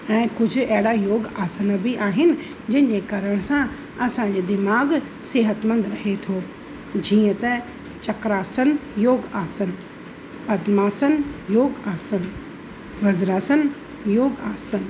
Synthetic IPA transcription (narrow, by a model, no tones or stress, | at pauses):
ɛ̃ːkʊd͡ʑʱʊ̆ɐɦɪɽajoːɡaːsənəbʱiʔaːɦɪnɪ̆ | d͡ʑɐ̃ɦɪ̃n̆d͡ʑeːkɐɾəɽ̃sã | ɐsãɲd͡ʑeːd̪ɪmaːɡ | seːɦət̪mə̃nd̪ɾɐɦet̪ʰoː | d͡ʑiːə̃t̪ɐ | t͡ɕɐkɾaːsənjoːɡaːsən | pɐd̪maːsənjoːɡaːsən | ʋɐzɾaːsən | joːɡaːsən